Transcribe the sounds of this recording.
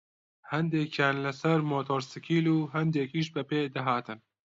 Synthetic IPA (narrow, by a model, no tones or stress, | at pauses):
hɛnd̪eːkjaːnlɐsɐɾmoːt̪ʰoːɾsɨkʰiːluːɦɛnd̪eːkiːʃ̬bɐpeːd̪ɐɦaːt̪ɨn